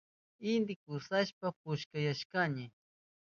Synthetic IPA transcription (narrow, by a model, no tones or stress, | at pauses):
ɪnd̪ɪkʊsaʃpapʊʃkajaʃkaɲɪ